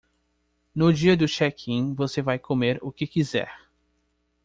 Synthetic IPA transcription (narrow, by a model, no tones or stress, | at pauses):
nʊd͡ʒiɐd̪ʊʃɛkʰĩvosevajkʰomeɾʊkɪkizɛ̰ɾ